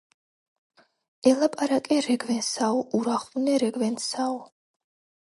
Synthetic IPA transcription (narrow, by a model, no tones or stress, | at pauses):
ɛlapʼaɾakʼɛɾɛɡvɛnsaɔʔuɾaχvnɛɾɛɡvɛnsaɔ